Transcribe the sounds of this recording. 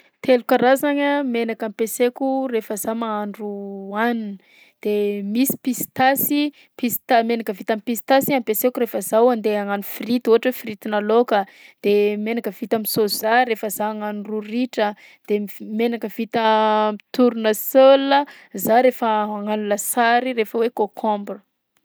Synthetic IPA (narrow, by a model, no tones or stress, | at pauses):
t̪ʰelukəɾazaɲəmenakampesekʲurefəzamaaɳɖ͡ʐuanin | d̪̥emisi̥pist̪asi | pist̪amenakəvit̪amipisi̥t̪asiampesekuɾefəzawand̪eaŋanufirit̪uɦaʈ͡ʂəfirit̪inalokəd̪̥emenakəv̥it̪amisozaɾefəzaaŋanururiʈ͡ʂə | d̪̥emenakəv̥it̪əmit̪uɾunəsələ | zaɾefəaŋanulasaɾiɾefəwekokʰɔ̃mbrə